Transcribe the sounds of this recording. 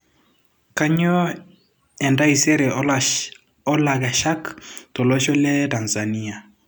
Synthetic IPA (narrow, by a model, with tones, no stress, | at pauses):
ka˦ɲɔ˦ | ɛ˨nda˦i˨sɛ˦ɾɛ˨ | ɔ˦la˨ɡa˨ʃa˦ktɔ˨lo˦ʃɔ˦lɛ˦ta˨nsa˨ni˦a˨